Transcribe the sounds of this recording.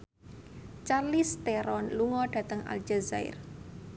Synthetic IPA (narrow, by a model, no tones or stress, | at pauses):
t͡ʃarlist̪eɾɔnluŋɔɖ̥ä̤t̪əŋa̰ld͡ʒazaɪ̰r